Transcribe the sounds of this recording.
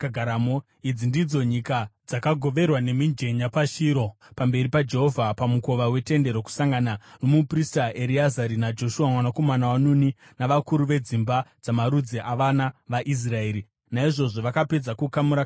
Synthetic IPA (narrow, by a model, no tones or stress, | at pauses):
ɡʱaɾamo | id͡zindid͡zo̞ɲikad͡zakaɡʱo̞ʋe̞rwane̞mind͡ʒe̞ɲapaʃiːɾo̞ | pambe̞ɾipad͡ʒe̞ɦo̞vʱapamuko̞ʋawe̞te̞nde̞ɾoku̥saŋɡananomupristaʔeɾiazaɾinad͡ʒo̞ʃuwamwanako̞manawanuni | naʋakuɾuʋe̞d͡zimbad͡zamaɾud͡zeʔaʋanaʋaʔis̬rae̞ːɾi | naiʐo̞ʐo̞ʋakape̞d͡zakukamuɾa